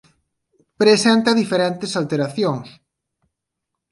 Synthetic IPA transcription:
pɾesent̪ɐðifeɾɛnt̪esalt̪eɾaθjoŋs

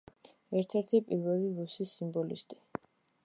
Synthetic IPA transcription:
ɛɾt̪ʰɛɾt̪ʰipʼiɾvɛliɾusisimbɔlḭst̪ʼi

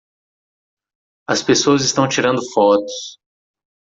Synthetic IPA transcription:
ɐspesoɐzɪst̪ɐ̃w̃t͡ʃiɾɐ̃nd̪ʊfɔt̪ʊ̥s

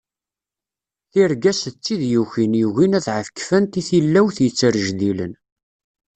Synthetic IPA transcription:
θiɾɡæst͡sːiðjuçinjuʝinæθʕəfkːfænt̪iθilːæwθjət͡sːəɾʒðilən

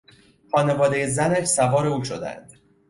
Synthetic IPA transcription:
χɒːne̞vɒːd̪ejezænæʃsævɒːɾeuːʃo̞d̪æ̰nd̪̥

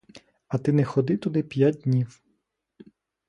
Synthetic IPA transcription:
ɐt̪ɪnɛxɔd̪ɪt̪ud̪ɪpʲjad̚ʲdʲnʲiw

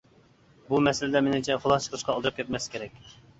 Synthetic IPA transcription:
bumɛsɪlɪd̪ɛmenɪmt͡ʃʰɛχolˠɑt͡ʃʰə̥qʰəʃqɑːlˠd̪əɾɨp̚kʲɛt̪̚mɛskʲeɾɛkʲ

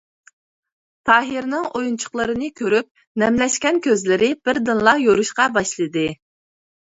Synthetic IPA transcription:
t̪ʰɑːɦiɾnɨŋojunt͡ʃʰʊ̥χlˠəɾɨnɨkʲʰøɾyp̚ | nɛmlɛʃkʲɛnkʲʰøzlɪɾɪb̥ɪɾd̪ɨnlˠɑjoɾuʃqɑbɑʃlˠɨd̪ɨ

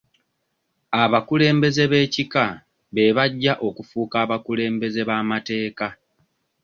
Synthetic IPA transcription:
aβakule̞ːmbe̞ze̞βe̞ːcika | βe̞βaɟːaʔo̞kufuːkaːβakule̞ːmbe̞ze̞βaːmate̞ːka

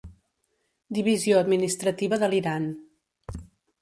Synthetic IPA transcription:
d̪iβizioəd̪minist̪ɾət̪iβəðəliɾan

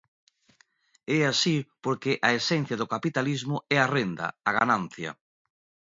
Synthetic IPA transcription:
ɛasipoɾkɪʔaesɛn̟θjɐðʊkapit̪alizmʊɛarend̪ɐ̰aɣanãn̟θjɐ̰

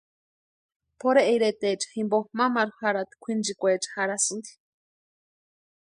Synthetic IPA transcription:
pʰoɾeʔːjɾet̪et͡ʃḁhimbomamaɾuhaɾat̪i̥kʷʰind͡ʒikʷet͡ʃḁhaɾasɨnd̪i̥

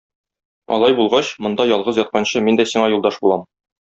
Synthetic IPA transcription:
ɒ̰lˠɑjbulˠʁɑɕmŏnd̪ɑjɒlˠʁɤzjɒt̪̚qɑnɕɤmind̪æsiɴɑjulˠd̪ɑʃbulˠɑm

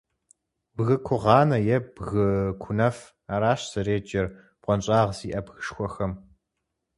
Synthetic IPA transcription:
bɣɨkʷʰʊʁɑːnɐjɛbɣɨkʷʰʊnɐf | aɾaːʃɕsɐreːd͡ʒʼɐr | b̥qʷʼɔnɕʼɑːʁz̥iːʔɐbɣɨʂxʷɔxɐm

